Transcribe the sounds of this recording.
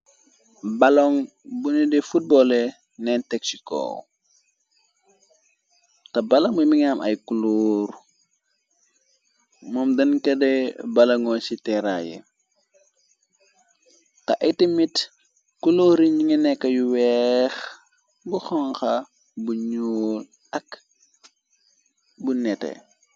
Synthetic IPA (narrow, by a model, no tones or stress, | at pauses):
bɐlɔŋ | bunidɛfut̚bɔlɛ | nɛntɛk̚sikɔ̰ | tɐbɐloŋbumiŋamʔɐ̰jkuloːɾ | mɔmdɐnkɐdɛbɐlɐŋɔsitɛɾa̰jɛ̰ | tɐʔɐjtimit | kuloɾiɲɟiŋɐnɛkːɐjuwɛx | buxɔŋxɐ | buɲoːl | ɐk | bunɛtɛ̰